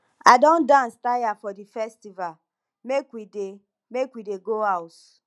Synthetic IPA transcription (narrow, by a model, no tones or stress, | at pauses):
adɔ̃ndãnstajafɔdifɛstival | mekwide | mekwideɡoaʊt